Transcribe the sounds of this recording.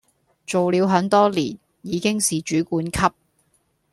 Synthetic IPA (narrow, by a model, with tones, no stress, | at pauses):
t͡so˨wli˨˧wɦœː˨˥nt̪ɔː˥lḭː˨˩n | jiː˨˧kɪ˥ŋsiː˨t͡ʃyː˨˥kuː˨˥nkʰɐ˥p̚